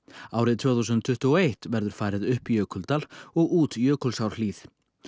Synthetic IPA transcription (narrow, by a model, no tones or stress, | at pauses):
aːwɾɪðt̪ʰvɛːθuws̬ʏnt̪ʰːʏht̪ʏɔejht̪vɛɾðʏɾ̥faːɾɪðʏhpijœːkʰɔlt̪alɔɣuːt̪jœːkʰɔlsawɾ̥liːθ